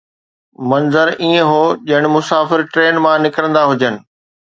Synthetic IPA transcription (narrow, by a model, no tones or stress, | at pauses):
mɐnzəɾiːə̃ɦoːʄɪɽ̃ɪ̆mʊsaːfɪɾʈɾeːnmãnɪkɾə̃nd̪aɦʊd͡ʑənɪ̆